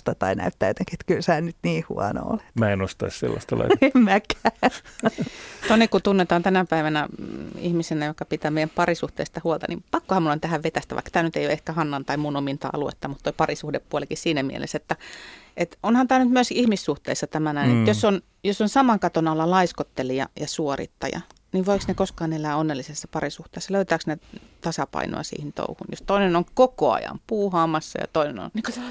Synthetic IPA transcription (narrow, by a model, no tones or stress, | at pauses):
t̪ɑt̪ɑinæ̰yt̪ːæːjot̪eŋkiet̪kylsæːnyt̪niːhṵɑno̰o̰lemæenost̪ɑissḛlːɑ̰st̪ɑlɑ̰iemmækæ | t̪onikkut̪unːet̪ɑːnt̪ænæpæiʋænæḭhmisenæjokːɑpit̪æːmeijæmpɑrisuht̪ḛːst̪ɑhuolt̪ɑ̰nḭmpɑkːohɑmulont̪æhæʋʋet̪æst̪æʋɑ̰ikːɑ̥t̪æːnyt̪eijoehkæhɑnːɑnt̪ɑimunomint̪ɑ̰ʔɑ̰luḛt̪ːɑmut̪t̪oipɑrisuhdeppuolekissiːnæmiḛlʔḛset̪ːæʔet̪onhɑnt̪æːnyt̪myøskihmisːuht̪ḛːsːɑt̪æmænæinemut̪josːon | josːonsɑmɑŋkɑt̪onɑlːɑlɑiskot̪ːeliɑ̰jɑsuorḭt̪ːɑ̰jɑ̰ | niʋʋoiksnekoskɑːnelæːonːelːisesːɑpɑrisuht̪eːsːɑløyt̪æːksnet̪ɑsɑpɑ̰ino̰ɑ̰sḭːhint̪o̰uhṵnjost̪oinenoŋkokoɑ̰jɑ̰mpuːhɑːmɑsːɑ̰jɑ̰t̪oineno̰nnikot̪ɑ